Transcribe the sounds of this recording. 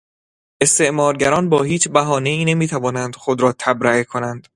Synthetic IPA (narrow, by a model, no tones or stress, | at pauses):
ʔe̞st̪e̞ʔmɒːɾɟæɾɒːnbɒːhiːt͡ʃbæɦɒːne̞iːne̞miːt̪ʰævɒːnænd̪̥xo̞d̪ɾɒːt̪ʰæbɾæekʰo̞nænd̪̥